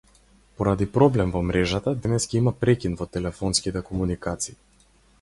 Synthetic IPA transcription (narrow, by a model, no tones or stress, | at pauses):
pɔɾad̪ipɾɔblɛmvɔmɾɛʒat̪ad̪ɛnɛskaimapɾɛcʲinvɔt̪ɛlɛfɔnskit̪ɛkɔmunikat̪siː